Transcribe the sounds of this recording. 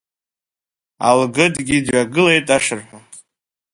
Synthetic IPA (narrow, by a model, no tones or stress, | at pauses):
a̰lɡɨdɡʲidɥaɡɨle̞jtʼaʂɨrħʷᶣa